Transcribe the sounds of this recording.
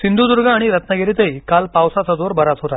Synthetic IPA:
sind̪ʱud̪uɾɡʱaːɽ̃iɾət̪nəɡeɾit̪əikalpawsat͡sad͡zoɾbʱəɾat̪ɦot̪a

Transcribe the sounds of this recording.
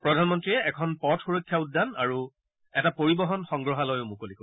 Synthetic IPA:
pɹɔdʱanmɔntɹiɛʔɛkʰɔnpɔtxuɹokʰːjauddːanaɹu | ɛtapoɹibɔɦɔnxɔ̃ŋɡɹɔɦalojʊmukoliko

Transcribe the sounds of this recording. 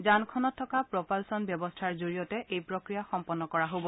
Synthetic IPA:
zankʰɔnɔtʰːɔkapɹɔpalsɔnbjɔbɔstʰaɹzuɹijɔtɛʔejpɹokɹijaxɔmpɔnːɔkɔɹaɦobɔ

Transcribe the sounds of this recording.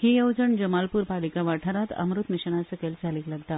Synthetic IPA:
hijəwd͡ʒəɳd͡ʑəmalpuɾpalikaʋaʈʰaɾat̪ə̰mɾut̪miɕəɳ̃asəkelsalikləɡt̪a

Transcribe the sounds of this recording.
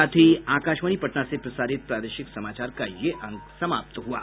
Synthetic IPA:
at̪ʰiakaʃʋəñipəʈnasepɾəsaɾit̪̚pɾad̪eʃɪksəmat͡ʃaɾkajeʔə̃ŋɡsəmap̚t̪ɦua̰

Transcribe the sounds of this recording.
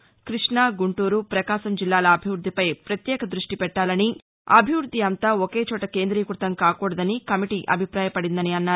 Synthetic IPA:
kɾiʂɳɐːɡuɳʈuːɾupɾɐkaːʃɐmd͡ʒilːaːlɐːbʱiʋɾud̪ːipɐjpɾɐt̪jɛːkɐd̪ɾuʂʈipɛʈːaːlɐni | ɐ̰bʱiʋɾud̪ʱːiɐnt̪aːokeːt͡ʃɔːʈɐke̞ːnd̪ɾiːkuɾt̪ɐmkaːkuːɽɐd̪ɐnikɐmiʈiʔɐbʱipɾaːjɐpɐɽind̪ɐniɐnːaː

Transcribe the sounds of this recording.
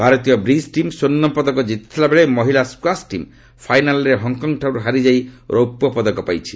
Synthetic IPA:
bʱaɾɔt̪ijɔbɾisʈimsonːɔpɔd̪ɔkɔd͡ʒit̪i̥t̪ʰilabeɭemɔɦilaskwasʈim | pʰajnalɔɾeɦɔŋkɔŋɡʈʰawɾuɦaɾid͡ʒajɾowpːɔpɔd̪ɔkɔpajt͡ʃʰi̥

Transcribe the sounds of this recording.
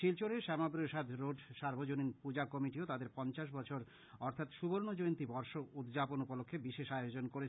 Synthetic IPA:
ʃilt͡ɕoɾeʃɛmabɾoʃad̪ʱɾoɖʃaɾbʱod͡ʑoninpud͡ʑakɔmiʈiot̪ad̪eɾpɔnt͡ɕaʃ̬bɔt͡ɕʰoɾ | ɔɾt̪ʰat̪ʃuboɾnod͡ʑojnt̪ibɔɾʃoud̪d͡ʑaponupolokʰːebiʃeʃajod͡ʑonkoɾet͡ɕʰ

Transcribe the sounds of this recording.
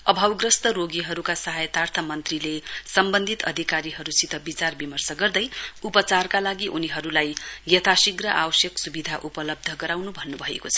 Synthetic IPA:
ʌbʱawɡrʌst̪ʌɾoɡiɦʌɾukasʌɦajʌt̪art̪ʰʌmʌnt̪rilesʌmbʌnd̪ʱit̪ʌ̰d̪ʱikaɾiɦʌɾusit̪ʌbit͡sarbimʌrsʌɡʌrd̪ʌjupʌt͡sarkalaɡiʔuniɦʌɾulajjʌt̪ʰasiɡrʌʔawʌsjʌksubid̪ʱaʔupʌlʌb̚d̪ʱʌɡʌɾawnubʱʌnːubʱʌḛkot͡sʰʌ̥

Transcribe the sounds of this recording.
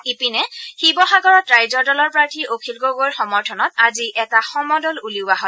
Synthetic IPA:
ipinɛxibɔxaɡɔɹɔtɹajzɔɹdɔlɔɹpɹaɹtʰiʔokʰilɡoɡoɹxɔmɔɹtʰɔnɔtaziʔɛtaxɔmɔdɔluliwaɦɔl

